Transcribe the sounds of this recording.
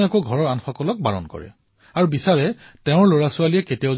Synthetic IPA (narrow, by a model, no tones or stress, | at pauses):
ɛkoɡʱɔɹɔɹanxɔkɔlɔk̚baɹɔ̰nkɔ̰ɹɛ̰ | aɹubisaɹɛtɛ̃ʊ̃ɹloɹasʊaliɛketiaʊ